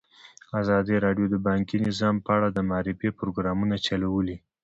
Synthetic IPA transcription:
azɑd̪iɾɑɖjod̪əbɑŋkinɪzɑmpəaɽad̪əmɑɾɪfepɾoɡɾɑmunat͡ʃalawəli

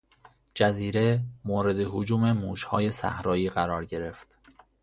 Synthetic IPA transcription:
d͡ʒæziːɾe̞moːɾe̞d̪eɦod͡ʒuːme̞muːʃhɒ̰ːje̞sæ̰hɾɒːjiːɢæɾɒːɾɟe̞ɾe̞ft̪

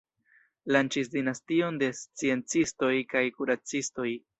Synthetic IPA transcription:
lant͡ʃis̬dinastio̞nde̞st͡sie̞nt͡sisto̞jkajkuɾat͡sisto̞j

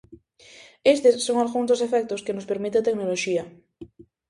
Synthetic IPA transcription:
est̪esːoŋalɣuŋzd̪osefɛk̚t̪oskenospeɾmit̪eat̪eknoloʃiɐ

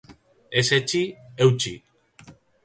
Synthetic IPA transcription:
e̞set͡ʃiewt͡ʃi

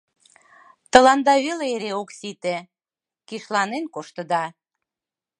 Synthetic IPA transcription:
t̪ə̆lɑnd̪ɑβeleeɾeoksit̪ĕ | kiʃlɑnenkoʃt̪ə̆d̪ɑ

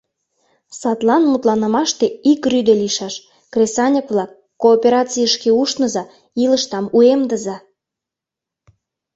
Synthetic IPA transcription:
sɑt̪lɑnmut̪lɑnə̆mɑʃt̪eikryd̪eliʃɑʃ | krʲesɑnʲeplɑkːoːpʲeɾɑt͡sijəʃkeuʃnə̆zɑ | ilə̆ʃt̪ɑmuemd̪əzɑ

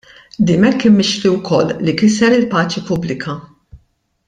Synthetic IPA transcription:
d̪iːmɛkːɪmːɪʃliwkʰɔlːikɪsɛɾɪlpɐːt͡ʃipʊblɪkʰɐ

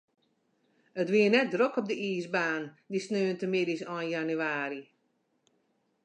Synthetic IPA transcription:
ətʋiːənɛt̚drøkɔp̚dəʔiːsbaːndisnøːəntəmɪdisɔːnjanyaːɾi

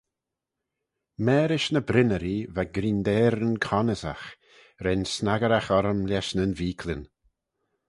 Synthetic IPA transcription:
mɛːɾɪʃnəbɾɪnəɾivaɡɾind̪ɛːɾənkʰɔnəza̰x | ɾɛnsnaɡəɾaxɔɾəmlʲɛʃnənviːkʰlɪn

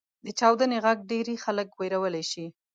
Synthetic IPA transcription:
d̪ət͡ʃɑwd̪əneɣaɡ̚ɖeɾexaləkwejɾawəlajʃi

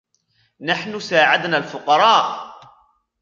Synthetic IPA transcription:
naħnʊsaːʕad̪naːlfʊqɑɾˤɑːʔ

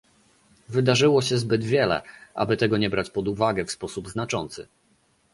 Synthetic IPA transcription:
vɘd̪aʐɘwɔɕɛzbɘd̪vʲjɛlɛ̰ʔa̰bɘt̪ɛɡɔɲɛbɾat͡ɕpɔd̪uvaɡɛfspɔsubznat͡ʂɔnt̪sɘ̰

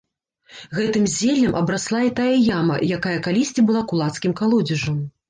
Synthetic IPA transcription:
ɣɛt̪ɨmzʲelʲːɐmʔɐbɾaslˠait̪ajɐjamɐ̰jakajɐkalʲisʲt͡sʲibɨlˠakulˠat̪skʲimkalˠɔd͡zʲiʐɐm

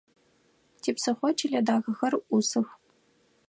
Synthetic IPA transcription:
tʰiːpsɨχʷɔt͡ʃʰilʲɐdaːɣɐxɐrusɨx

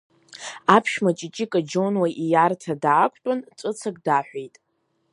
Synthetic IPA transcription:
apʰʃmat͡ʃʼɪt͡ʃʼikʼad͡ʒonwajʔijartʰadaːkʷʰʼtʼant͡sʷʼɨt͡sʰakʼdaħʷᶣejtʼ

